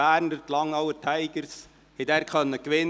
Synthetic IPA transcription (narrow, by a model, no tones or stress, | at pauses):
æːɾndətlɑŋːɑwətʰæɪɡ̥əɾs | hɛdæːɾkχœnːəkʋɪn